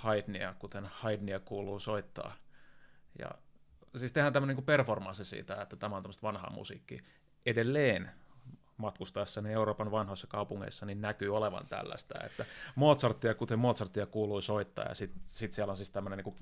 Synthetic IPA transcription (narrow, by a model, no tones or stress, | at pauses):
hɑidniækut̪enhɑidniækuːluːsoit̪ːɑ̰ː | jɑ̰ | siːst̪ehæːnæmːøniŋkuperformɑnsisḭːt̪æet̪ːæt̪æmæont̪æmːəst̪ʋɑnhɑ̰mṵsḭːkːḭ | edelːeːn | mɑt̪kust̪ɑesːɑnieuroːpɑnʋɑnhoisːɑ̥kɑupuŋːḛisːɑninnækyːoleʋɑ̰nt̪æ̰lːæ̰st̪æ̰ḛt̪ːæmoːt̪sɑrt̪ːiɑkut̪emmoːt̪sɑrt̪ːiɑkuːluisoit̪ːɑ̰ːjɑ̰sit̪sit̪siælonsiːst̪æmːøneniːŋku